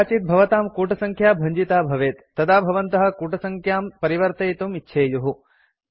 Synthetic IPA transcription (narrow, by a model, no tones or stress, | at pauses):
t͡ʃit̪̚bʱɐʋɐt̪aːmkuːʈɐsɐŋkʰjaːbʱɐɲd͡ʒit̪aːbʱɐʋeːt̪ːɐd̪aːbʱɐʋɐnt̪ɐɦɐ̆kuːʈɐsɐŋkʰjaːmpɐɾiʋɐɾt̪ɐjt̪umitːʃʰeːjuɦu